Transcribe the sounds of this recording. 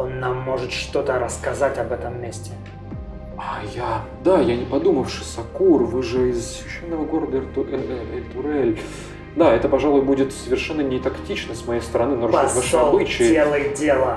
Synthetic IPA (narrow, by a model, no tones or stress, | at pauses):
o̞nːamːo̞ʐɨt̪ʂt̪o̞t̪əɾəskɐzatʲɐbɛt̪əmːʲesʲtʲɪ | aja | d̪ajanʲɪpɐd̪uməfʂɨ̥sɐkurvɨʐɨɪzssvʲɪɕːenːəvəɡo̞ɾəd̪ərt̪ɪrt̪ʊɾɛlʲ | d̪aɛt̪əpɐʐalˠʊjbudʲɪt̪səvʲɪrʂɛnːənʲɪt̪ɐktʲit͡ɕnəsmɐjejst̪əɾɐnɨnoovaʂɐbɨt͡ɕɪjelˠəjdʲelˠə